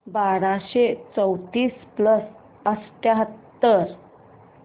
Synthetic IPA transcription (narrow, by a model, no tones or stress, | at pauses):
baɾaɕet͡səwt̪iːspləs | əst̪jaɦət̪ːəɾ